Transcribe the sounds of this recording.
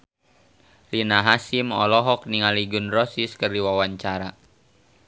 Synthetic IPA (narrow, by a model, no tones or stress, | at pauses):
linaɦasimɔ̰lɔɦɔk̚niŋaliɡunrɔsiskərdiwawaɲt͡ʃaɾa